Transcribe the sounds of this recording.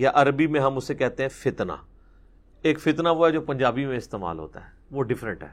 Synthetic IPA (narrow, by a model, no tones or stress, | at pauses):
jaʔɐɾbimẽɦɐmʊsːekɛɦt̪eɦɛ̃fɪt̪na̰ː | eːkfɪt̪naʋoɦɛd͡ʒoːpɐ̃ɲd͡ʒaːbimẽɪst̪eːma̰ːlɦo̰ːt̪a̰ɦɛːʋoɖɪfɾə̃ɳʈɦɛ̰ː